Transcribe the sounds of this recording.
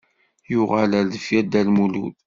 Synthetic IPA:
jʊʁələɾðəfjæd̪ælmulṵl

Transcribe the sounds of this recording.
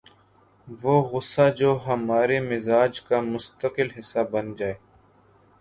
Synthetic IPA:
ʋoːɣʊsːad͡ʒoːɦɐmaːɾemɪzaːd͡ʒkamʊst̪əqɪlɦɪsːabɐnd͡ʒaːeː

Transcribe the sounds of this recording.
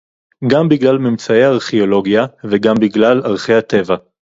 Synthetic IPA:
ɡambiɡlalmimt͡saejaːʁχeolo̞ɡjaveɡambiɡlalaʁχejhat̪e̞va

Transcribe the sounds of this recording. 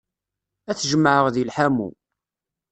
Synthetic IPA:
æθʒəməʕəʁðilħamṵ

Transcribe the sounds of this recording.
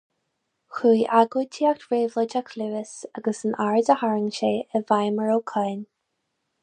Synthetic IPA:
xuːʔaɡət̪ʰiak̚tvɹeːvlətakʰluːɪsaɡəsənʔaɹdəhaɹɪŋʃeːəvajməɹoːkʰajn

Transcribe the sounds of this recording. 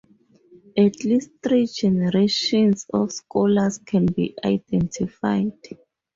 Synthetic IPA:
atʰlist̚θɹid͡ʒɛnɛɹeʃɔ̃nsɔ̰fskʰɔlaskʰɛ̃nbḭʔajdɛ̃ntʰifa̰jd̥

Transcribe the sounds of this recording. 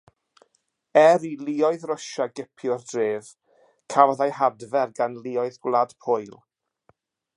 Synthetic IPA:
ɛɾiliɔɨðrɔʃaɡɪpʰjɔrdreːv | kʰavðajhadvɛrɡanlˠiɔɨðɡwlˠad̥pʰʊjlˠ

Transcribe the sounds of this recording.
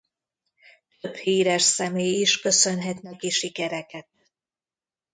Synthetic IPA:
t̪øphiːɾɛʃsɛmeːjiʃkø̞sønɦɛt̪nɛkiʃikɛɾɛkɛt̪̚

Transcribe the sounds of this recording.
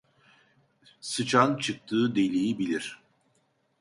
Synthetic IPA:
sɯt͡ʃʰant͡ʃʰɯk̚t̪ʰɯːd̪elʲijibilʲiɾ̥

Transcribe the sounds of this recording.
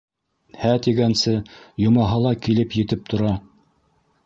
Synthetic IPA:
hæt̪iɡænsɘjŏmɑɦɑlˠɑkilɘpjɘ̆t̪ɘp̚t̪ʰŏɾɑ

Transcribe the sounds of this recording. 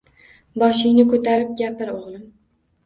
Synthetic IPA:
bɒʃɪjnɪkʰɵt̪ʰaɾɪp̚ɡʲapɪɾoʁlˠɪm

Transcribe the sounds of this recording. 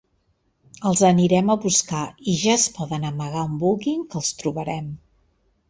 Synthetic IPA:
əlˠzəniɾɛməβuskaiʒaəspɔðənəməɣ̞aumbulɣiŋkəlˠst̪ɾuβəɾɛm

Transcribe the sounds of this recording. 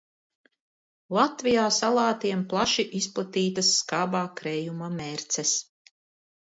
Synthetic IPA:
lˠat̪vijaːsalˠaːt̪iɛmplˠaʃiʔisplˠat̪iːt̪asːkaːbaːkɾɛjumamɛɾt̪sɛs

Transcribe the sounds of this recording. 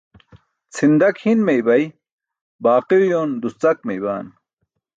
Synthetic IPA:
t͡sʰind̪ɐkhinmejbɐj | baːqiwjoːnd̪ust͡sɐk̚mejbaːn

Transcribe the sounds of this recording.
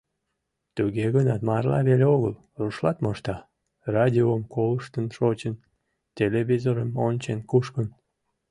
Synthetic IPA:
t̪uɣeɣənɑt̪mɑrlɑ̰βelʲeoɣəl | ruʃlɑt̪moʃt̪ɑ | rɑdʲiomkoləʃt̪ənʃot͡ɕən | t̪ʲeleβʲizoɾəmonʲt͡ɕenkuʃkən

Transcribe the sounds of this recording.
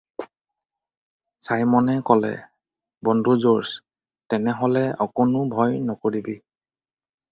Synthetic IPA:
sajmɔnɛkɔlɛ̰ | bɔndʱuzoɹs | tɛnɛɦɔlɛɔkʊnʊbʱɔjnɔkoɹibi

